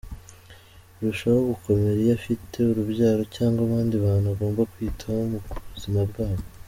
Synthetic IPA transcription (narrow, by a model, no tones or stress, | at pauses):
ɾuʃawoɡukʰo̞me̞ɾijafitʰe̞uɾuβɟaːɾo̞caːŋɡwaβaːndiβaːn̥huβaɡo̞ːmbakwiːtʰaumuzimabɡaːβo